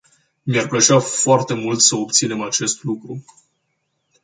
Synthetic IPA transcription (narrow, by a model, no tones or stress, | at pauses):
miarplət͡ʃafoart̪e̞mult̪səo̞p̚t̪sine̞mat͡ʃe̞st̪lukɾu